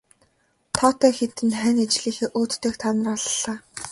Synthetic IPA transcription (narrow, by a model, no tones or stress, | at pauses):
t̪ʰɔːt̪œːxet̪ɘ̆nχænet͡ɕɮiːxeːʔoːt̪ːeːkt̪ʰanə̆rɔɮɮaː